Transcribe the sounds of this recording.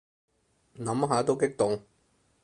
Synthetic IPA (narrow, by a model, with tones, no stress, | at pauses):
nɐ˨˥mɦaː˨˧˥t̪o˥wkɪ˥k̚t̪ʊ˨ŋ